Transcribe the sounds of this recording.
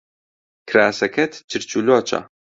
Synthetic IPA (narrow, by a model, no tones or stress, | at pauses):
kʰɾaːsɐkʰɐt̪ʰt͡ʃʰɨɾt͡ʃʰuːloːt͡ʃʰa̰